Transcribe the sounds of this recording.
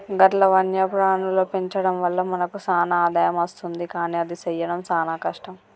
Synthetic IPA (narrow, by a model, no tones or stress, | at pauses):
ɡɐʈlɐʋɐnjɐpɾaːɳuloːpe̞ɲt͡ʃɐɽɐmʋɐlːɐmɐnɐkusaːnaːd̪aːjɐmɐst̪und̪ikaːniːɐd̪isɐjːɐnɐmsaːnaːkɐʂʈɐm